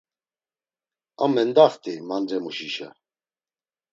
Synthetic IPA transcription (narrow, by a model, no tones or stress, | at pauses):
amɛnd̪aχt̪ʰʼimanɾɛmuʃiʃa̰